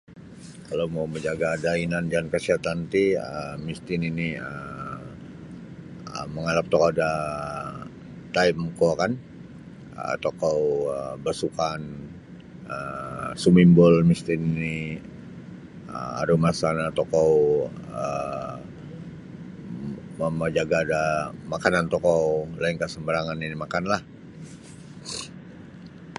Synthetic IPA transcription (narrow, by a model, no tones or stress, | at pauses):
kalowmauməɲd͡ʒaɡadainand͡ʒankəsiat̪ant̪iəmist̪ɪniniə | əməŋalap̚t̪ɔkoda | t̪aimkokan | ə̰t̪okowəbasukan | əsumimbɔlmist̪inni | ə̰a̰ɾumasanat̪okowə | məmad͡ʒaɡaːdamakanant̪ɔkɔwlainkasəmbəɾaŋaninimakanlah